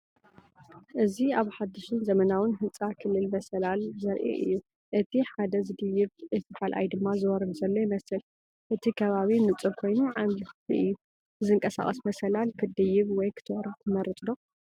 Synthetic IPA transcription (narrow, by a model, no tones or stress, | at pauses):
ʔɨziaβħad̪ːɨʃɨnzɐmɐnawɨnɦɨnt͡sʼakʰɨlːɨlmɐsɐlalzɐɾʔɛ̰ʔɨ̰jːu | ʔɨt̪ʰiħad̪ɐzɨd̪ɨjɪβɨfɨfalʔa̰jd̪ɨmːazɨwɔɾɨd̪zɐlːojɪmɐsɨl | ʔɨt̪ʰikʰɐβaβinɨt͡sʼukʰo̞jnuʕamlɨtḭʔɨjːu | zɨŋkʼɐsa̰χʼɐsmɐsɐlalkʰɨd̪ɨjɪβwɔjkʰɨ̥t̪ʰwɔɾɐt̪ʰɨmɐɾɨt̪ʼd̪o